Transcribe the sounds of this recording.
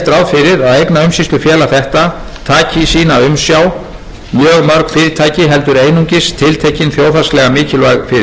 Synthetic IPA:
t̪ɾawðfɪɾɪɾaðejknaʏmsist̪ʏfjɛːlaθɛht̪a | t̪ʰaːcɪsiːnaʏmsjaw | mjœːɣmœɾkfɪɾɪt̪ʰaːjcɪɦɛlt̪ʏɾeːjnuɲcɪst̪ʰɪlt̪ʰejcɪnθjoːwθaslɛɣamɪːcɪlvaɣfɪɾɪ

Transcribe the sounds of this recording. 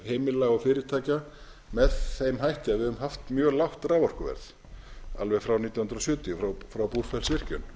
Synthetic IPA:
heːjmɪlaɣɔfɪːɾɪɾ̥t̪ʰaːjca | mɛðθejmɦajht̪ɪaðvɪðʏvʏmɦaft̪mjœːɣlawht̪ɾaːvɔr̥kʏvɛ̰ɾθ | a̰lvɛɣfɾawniːt̪jɔwhnɾɔsjœːt̪iʏfɾawfɾawpur̥fɛlsvɪr̥cʏn

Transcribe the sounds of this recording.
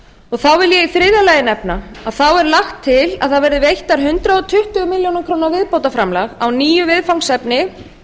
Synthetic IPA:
ɔɣθawvɪljɛifɾɪðalajɪnɛpna | aðθawɛɾlaxt̪ʰːɪla̰ðθaðvɛɾðɪvejht̪aɾ̥ɦʏnt̪ɾaðɔt̪ʰʏht̪ʏɣʏmɪljownɪkʰɾownaɾvɪðpowt̪afɾamlaɣawniːjʏvɪðfawŋsɛpnɪ

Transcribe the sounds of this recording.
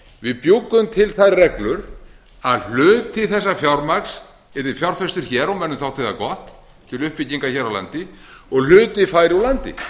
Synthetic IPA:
vɪðpjukːʏmt̪ʰɪlθaðrɛklʏɾ | aðl̥ʏːt̪ʰːɪθɛs̬ːafjawɾmaks | ɛɾt̪ɪfjawɾ̥fɛst̪ʏɾ̥çɛːɾɔwmɛnːʏmθawht̪ɪθakɔht̪ | t̪ʰɪlʏhpɪciŋkaçɛːɾawla̰nt̪ɪɔɣl̥ʏːt̪ɪfaːjɾɪɔwlant̪ɪ̰

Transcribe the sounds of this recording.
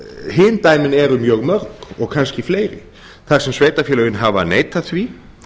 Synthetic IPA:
hɪːnt̪ajmɪnɛɾʏmjœːɣmœɾkɔɣkʰanscɪfleːjɾɪ̰ | θaɾ̥sɛmsveːjt̪afjɛːlœɣɪnɦavaneːjt̪aθvi

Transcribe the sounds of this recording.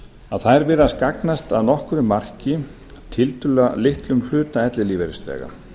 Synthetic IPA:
aðθaðɾvɛːɾɪaskaknast̪a̰ðnɔhkʏɾʏmːar̥cɪ | t̪ʰɪlt̪ʏlalɪht̪lʏml̥ʏːt̪aɛt̪lɪliːvɛɾɪst̪lɛ̰ːɣa̰

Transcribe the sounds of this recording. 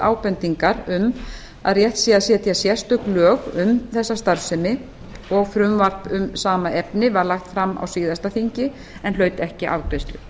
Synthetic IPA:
a̰ːwpɛnt̪iŋkaɾʏm | a̰ðrjɛht̪siːaðsjɛːt̪jasjɛst̪ʏklœːɣʏmθɛsːast̪aɾfsɛmɪ | ɔɣfɾʏmvar̥pʏmsaːmaʔɛpnɪvaɾlaxt̪fɾamːa̰wsiːðast̪aθiɲcɪ | ɛnlœːɥt̪ɛhcɪʔa̰ːwkɾejst̪ʏ

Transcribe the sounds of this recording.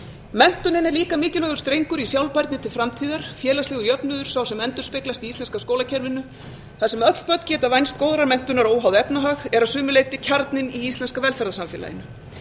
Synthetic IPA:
mɛn̥t̪ʏnɪnɛɾliːkamɪːcɪlœːɣʏ̥st̪ɾejŋkʏɾisjawlpajɾt̪nɪt̪ʰɪlfɾamt̪ʰiːðaɾ̥fjɛːlasɛːɣʏɾjœpnʏðʏɾ̥sawsɛmɛnt̪ʏ̥ɾspɪklast̪iist̪ɛnskaskoːwlacʰɛɾvɪnːʏ | θaðsɛmœt̪l̥pœt̪n̥cɛːt̪avajnst̪̚koːwðaɾaɾmɛn̥t̪ʏnaɾoːwɦawðɪɛpnaɦaɣɛɾaðsʏːmʏleːjt̪ɪcʰaɾt̪nɪniist̪lɛnskavɛlfɛɾðasamfɪːla̰jɪ̰nʏ

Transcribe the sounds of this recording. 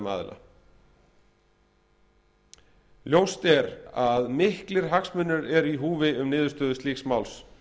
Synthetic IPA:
ma̰ːðɪ̰lʔa̰ | ljowst̪ɛɾaðmɪhklɪɾ̥ɦaksmʏnːʏɾɛɾiɦuːvɪʏmnɪːðʏɾst̪œːðʏst̪liːksmawls

